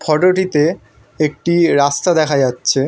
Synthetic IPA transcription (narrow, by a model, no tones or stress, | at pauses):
pʰɔʈoʈit̪e | ek̚ʈiɾast̪ad̪ɛkʰad͡ʑatːɕʰe